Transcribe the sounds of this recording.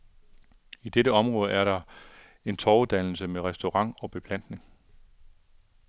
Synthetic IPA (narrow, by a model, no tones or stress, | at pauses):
id̥eɾəɒ̽mʁɔ̽ːð̞ˠæɐɾɑ̈ | e̝nt͡sʰɒːuð̩ˠd̥æn̰l̩səmeʁɛsd̥o̝ʁɑ̈ŋ̰ɒ̽b̥e̝pʰlæn̰d̥ne̝ŋ